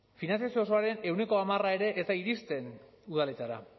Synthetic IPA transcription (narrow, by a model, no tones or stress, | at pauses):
finanθjasioso̞aɾe̞ne̞wne̞ko̞amarae̞ɾe̞ʔːzt̪aiɾist̪e̞n | uð̞ale̞t̪aɾa̰